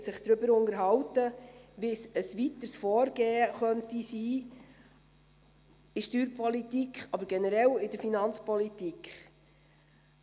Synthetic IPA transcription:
sɪχd̪̥ɾʏbəɾʊŋəɾɦɑwtəʋɪsəsʋit̪əsfɔːɾɡeːəχœntisiː | ɪʃtyːɾpʰɔlit̪ikχɑbəɾɡ̥ɛnəɾɛlɪdəɾfinɑnt͡spɔlit̪ikχ

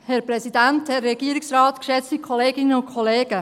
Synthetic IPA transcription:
hɛɾprɛsidænthɛrːɛɡ̥iəɾiksrɑːtkʃɛt͡stikʰɔleːɡɪnəʊnkʰɔleːɡ̥ə

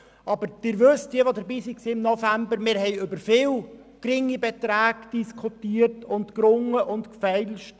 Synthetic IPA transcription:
ɑbəɾd̥ɪɾʋøstdiəʋodəɾbiːsiksiːɪmnɔfæmbəɾmɪːɾhɛɪʏbəɾfɪːl | kɾɪŋibɛt̪ɾæːɡd̥iskʰutiːərtʊntkɾʊŋːəʔʊntkfɛɪlʃt

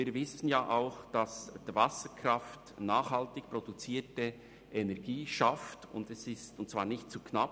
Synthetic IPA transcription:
iːɾvɪsən̩jaːʔaʊxd̥ɑsd̥ivasəkʰɾɑftnaːxhaltɪkpɾod̥ut͡siːtə | ʔɛnɛɾɡ̥iːʃaftʊ̰ndɛsɪstʊnt̚t͡sv̥aːɾnɪçt̚t͡suːknap

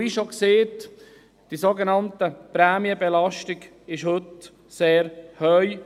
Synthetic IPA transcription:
iʃokseːt | d̥isoɡənɑntəpɾɛːmiəbɛlɑʃtɪɡ | ɪʃhɵt | seːɾhœʏ

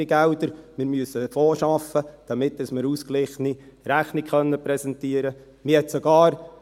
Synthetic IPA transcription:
iɡɛldəɾmɪɾmyəsəfoːʃɑfəd̥ɑmɪtːəsməɾuːsklɪχniɾæχnɪkχœnːəpɾɛsɛntiəɾə | mɪhɛtsɔɡɑːɾ

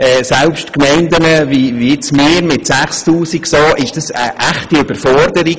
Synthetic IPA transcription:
ɛːsɛlpʃtkmɛɪndənəviʋiɪt͡smɪːɾmɪtsæχstuːsiɡsoːʔɪʃd̥ɑsə̰ʔæχtiyb̥əɾfɔrdəɾi

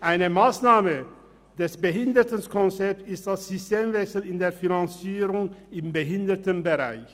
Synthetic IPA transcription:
ʔaɪnəmaːsnaːmə | d̥ɛsb̥əɦɪndətənskʰɔnt͡sɛp̚tɪst̚d̥asz̥ʏsteːmvɛksl̩ɪndeːɐfinant͡siːʁʊŋɪmbəɦɪndətənbəʁa̰ɪç

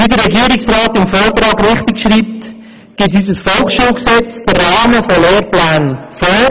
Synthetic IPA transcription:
idəɾːɛɡiːɾɪksʁɑːtɪmfoːt̪ɾɑːɡɾɪχtɪkʃɾiːp̚t | ɡ̥eːthyːsəsfɔlχʃuːlksɛt͡sd̥ərːɑːməfoleːɾplɛːnəfoː

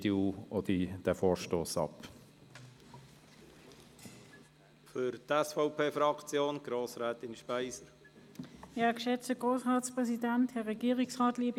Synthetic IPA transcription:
deoodid̥ɛfoːɹʃtoːsɑ̰p | fʏɾtɛsfɔʊpʰeːfɾɑkt͡sjoːnɡ̥ɾoːsɾɛːt̪ɪnʃpæɪsəɾ | jakʃɛt͡stəɡ̥ʁoːsʁaːtspʁɛsidanthɛʁɛɡiːʁiksʁaːtliːb

